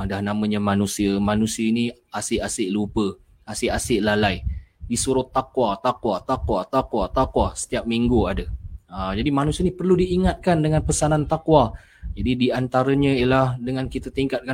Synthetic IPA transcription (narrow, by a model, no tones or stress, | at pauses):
dahnamə̃ɲəmanusiəmanusiəiniasɪʔasɪʔlupə | asɪʔasɪʔlalajdisuɾʊt̪ːakwat̪akwat̪akwat̪akwat̪akwasə̥t̪iap̚miŋɡuadəəd͡ʒadimanusiənipərludiːŋat̪̚kandəŋanpəsanant̪akwa | d͡ʒadidiant̪aɾəɲə̃iəlahdəŋankit̪at̪iŋkat̪̚ka